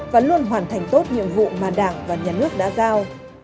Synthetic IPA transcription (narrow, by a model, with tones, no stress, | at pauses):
vaː˨˩lu˧ənɦwaː˨˩nt̪ʰɛ˨˩jŋ̟t̪o˦˥t̚ɲḭ˧˨əmvṵ˧˨maː˨˩ɗaː˧˩ŋvaː˨˩ɲaː˨˩nɨ˦˥ək̚ɗa̰ː˧˥zaː˧w